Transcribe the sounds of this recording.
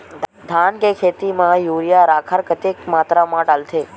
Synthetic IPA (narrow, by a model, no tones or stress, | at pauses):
d̪ʱankekʰet̪imãjuɾijaɾakʰəɾkət̪ekmaːt̪ɾamãʈalt̪ʰe